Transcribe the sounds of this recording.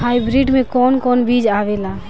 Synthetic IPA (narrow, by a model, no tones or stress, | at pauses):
hajbɾiɖmẽkɔnkɔnbid͡ʒaʋela